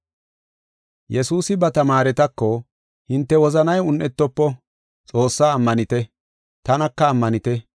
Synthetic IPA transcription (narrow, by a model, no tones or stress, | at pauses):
jɛsuːsɪbɐt̪ɐmaːɾɛt̪ɐkːɔ | hɪnt̪ːɛwɔzɐnɐjʊnʔɛt̪ːɔpːɔ | t͡sʼo̞ːsːaːmːɐnɪt̪ɛ | t̪ɐnɐkːɐːmːɐnɪt̪ɛ